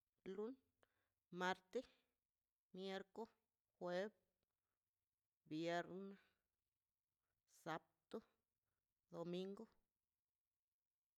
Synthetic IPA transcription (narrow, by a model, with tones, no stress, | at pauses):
lu˦n | ma˧ɾt̪e˦ | mje˧ɾko˦ | xwe˦b̚ | bje˧ɾna˦ | sa˧p̚t̪u˦ | d̪o˨mi˦ŋɡo˦